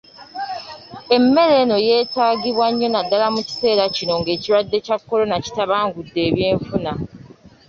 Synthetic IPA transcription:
e̞mːe̞ɾe̞no̞je̞ːtaːɡiβwaɲːo̞nadːalamuci̥se̞ːɾacino̞ŋɡe̞ːciɾwadːe̞cakːo̞lo̞naci̥taβaːŋɡudːe̞ːβjeːɱfuna

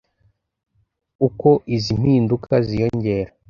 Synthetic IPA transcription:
uko̞ʔizim̥hiːndukʰazijo̞ɲɟe̞ːɾa

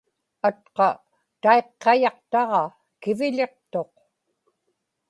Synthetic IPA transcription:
at̪̚qɑ | t̪ae̞qːɑjɑqt̪ɑʁɑ | kɪvɪʎe̞qt̪o̞q

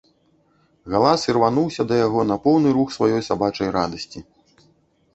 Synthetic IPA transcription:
ɣalˠasirvanuwsʲɐd̪ɐjaɣɔnɐpɔwnɨɾuxsvajɔjsabat͡ʂɐjɾad̪ɐsʲt͡sʲi

